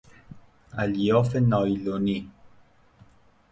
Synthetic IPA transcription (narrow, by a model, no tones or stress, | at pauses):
aliɔfenɔjloni